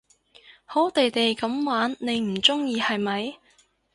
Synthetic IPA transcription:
ho˨˥t̪e˨jt̪e˨jkɐ˨˥mwaː˨˥nːe˨˧jm̩˨˩t͡sʊ˥ŋjiː˧hɐ˨jmɐ˨j

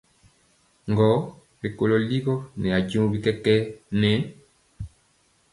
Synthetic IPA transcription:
ŋɡɔ˨˦ | be˨ko˨lo˨li˦ɣɔ˦nɛ˨a˨d͡ʒũ˦bi˦kɛ˦kɛ˦nɛ˨˦n

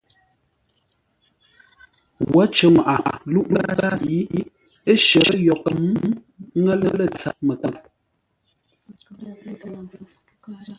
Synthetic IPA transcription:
wa˦t͡ʃə˨ŋa˨ʔa˨ʔa˨lu˦ʔa˦a˦i˨˦ | e˦ʃə˨˦jɔ˨kə˨m˦ | ŋə˦lə˦lə˦˨t͡sa̰˨ʔ̚mə˨kə˨k̚

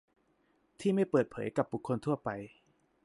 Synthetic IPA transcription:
t̪ʰiː˥˩ma˥˩jpɤː˨˩t̪̚pʰɤ̰ː˩˦jka˨˩p̚bu˨˩kʰːo˧nt̪ʰu˥˩ɐpa˧j

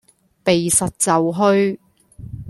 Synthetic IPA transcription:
pe˨jsɐ˨t̚t͡sɐ˨wɦɵ˥ɥ

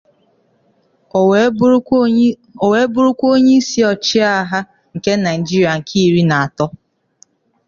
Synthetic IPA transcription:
o˨we˨˦bʊ˦ɾu˦kʷo˦ɲe˦i˦si˦ɔ˨t͡ʃi˦a˦ɦa˦ | ŋ̩˨ke˦na˨ɪ˨d͡ʒi˦ɾi˨a˨ŋ̩˨kʰi˦i˦˨ɾi˦na˨a˨tɔ˦

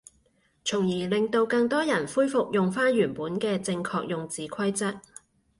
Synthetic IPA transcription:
t͡sʰʊ˨˩ŋjiː˨˩lɪ˨˧ŋt̪o˧wkɐ˧ŋt̪ɔː˥jɐ˨˩nfuː˥jfʊ˨k̚jʊ˨ŋfaː˥nɥyː˨˩npuː˨˥nkɛː˧t͡sɪ˧ŋkʰɔː˧k̚jʊ˨ŋt͡siː˨˥kʰwɐ˥jt͡sɐ˥k̚

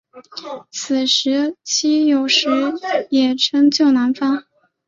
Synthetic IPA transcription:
t͡s̩ʰ˨˩ʂɻ̩˧˥t͡ɕʰi˥jo˨˩ʊʂɻ̩˧˥jɛ˨˩ʈ͡ʂʰɤ˥ŋt͡ɕjo˥˩ʊna˧˥nfa˥

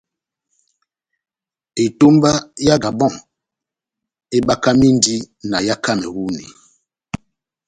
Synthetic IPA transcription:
e˨to˦mba˦ja˦ɡa˨bɔ˦˨ŋ | e˦ɓa˦ka˦mi˦n˦di˦ | na˨ja˦ka˦mɛ˨wu˦nḭ˨

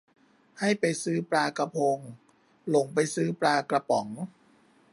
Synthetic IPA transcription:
ha˥˩jpa˧jsɯː˦˥˩pɾaː˧ka˧pʰoː˧ŋ | lo˨˦ŋpa˧jsɯː˦˥˩pɾaː˧kla˧pɔ˩˦ŋ

